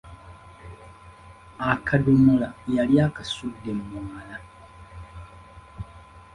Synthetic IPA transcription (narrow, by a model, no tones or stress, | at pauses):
akʰadomolajaljaːkasudːemmwaːla